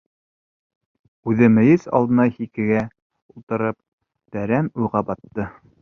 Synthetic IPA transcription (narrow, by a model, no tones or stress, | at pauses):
ʉðɘmɘ̆jɘsɑ̰lˠd̪ɤ̆nɑhikɘ̆ɡæ | ulˠt̪ɤ̆ɾɤp̚ | t̪æɾæmujʁɑbɑt̪ːɤ